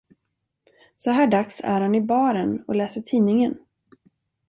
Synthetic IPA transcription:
sɔɦæːɖaksæ̰ɾhanɪbɑːɾənɔ̰lɛːsəʈʰiːnɪŋən

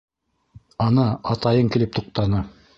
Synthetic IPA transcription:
ɑnɤɑt̪ɑjɤŋkĭlɘp̚t̪uq̚t̪ɑnɤ

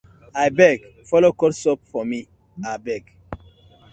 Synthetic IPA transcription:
ajbɛɡ | fɔlokɔtsɔp̚fɔmi | abɛɡ

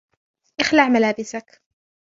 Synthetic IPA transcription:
ʔaxlaʕmalaːbɪsak

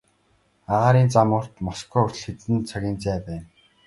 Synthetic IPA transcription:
aʁaːɾiːnt͡samʊːr̥t̪mɔskʰɔɵrʲɮxĕt̪ɘ̆nt͡sʰaɣʲiːnt͡sæːpæːn

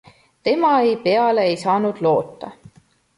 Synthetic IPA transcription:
t̪e̞mɑejpe̞ɑleejsɑːnud̪̥lo̞ːt̪ˑːɑ̰

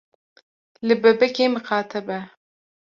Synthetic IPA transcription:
lɨbɛbɛkeːmɨxɑːt̪ʰɛbɛ

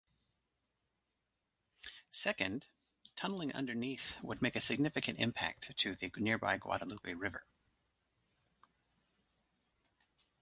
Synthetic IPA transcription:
sɛkɨ̃nd | tʰʌ̃nl̩ˠɪ̃ŋʔʌ̰̃ndə˞niθwəd̚meɪkɨsɨɡ̚nɪfɨkɨ̃ntɪ̰̃mpʰæ̰k̚tʰɨðɨnɪɹba̰ɪɡwɑ̰ɾəlupiɹɪvə̰˞

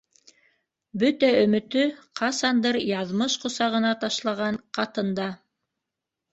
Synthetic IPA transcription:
bɵt̪æɵ̆mɘ̆t̪ɵqɑsɑnd̪ɤɾjɑðmɤʃqŏsɑʁɤ̆nɑt̪ɑʃlˠɑʁɑɴqɑt̪ɤ̆nd̪ɑ

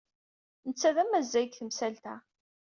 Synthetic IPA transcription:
nət͡sːæðæmæzːæɡθəmsælt̪æ

